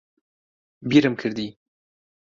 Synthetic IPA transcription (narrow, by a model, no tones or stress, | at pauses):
biɾɨmkʰɨɾd̪i